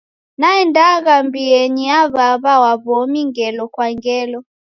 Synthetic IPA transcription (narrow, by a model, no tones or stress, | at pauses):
naɛndaɣambiɛniaβaβawaβɔmiŋɡɛlɔkwaŋɡɛlɔ